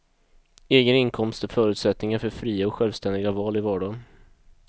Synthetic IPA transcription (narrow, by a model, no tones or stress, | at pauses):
eːɡənɪnkʰɔmst̪ɔfœːɾʉ̟t̪sɛt̪nɪŋaɾfœɾfɾiːaɔkɧɛlvst̪ɛnd̪ɪɡavɑːlɪvɑːɖɑn